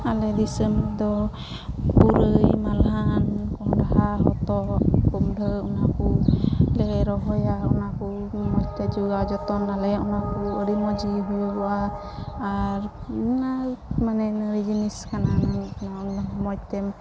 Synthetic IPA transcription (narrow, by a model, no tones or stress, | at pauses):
alɛd̪isəmd̪ɔ | puɾəjmalɦankɔɦɔdaɦaɦɔ̰t̪ɔkkumdʱəunakulɛɾɔɦɔjaunaku | mɔt̪ɛd͡ʒuɡad͡ʒɔt̪ɔnalɛunakuəɾimɔd͡ʒiɦujɔaː | ɾnamanɛnɾid͡ʒiniskanananaunamɔt̪ɛm